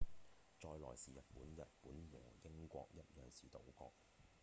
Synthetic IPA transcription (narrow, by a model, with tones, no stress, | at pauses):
t͡ʃɔː˧jlɔ̰ː˨˩jsiː˨jɐ˨t̚puː˨˥njɐ˨t̚puː˨˥nwɔː˨˩jɪ˥ŋkʷɔ̰ː˧k̚jɐ˥t̚jœː˨˩ŋsiː˨˩t̪o˨˥wkɔ̰ː˧k̚